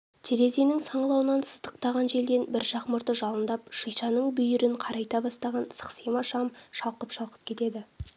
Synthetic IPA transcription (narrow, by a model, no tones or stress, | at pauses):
t̪ʰeɾe̞zenɪŋsɑɴlˠɑwənɑnsəzd̪əq̚t̪ɑʁɑnʒe̞ld̪e̞nbɪɾʒɑqməɾt̪əʒɑlˠənd̪ɑp̚ʃəjʃɑnəɴbʏjʏɾɪɴqʰɑɾɑjt̪ɑbɑst̪ɑʁɑnsə̥qsemɑʃɑmʃɑlˠqəpʃɑlˠqə̥p̚kʲʰe̞t̪e̞d̪ɪ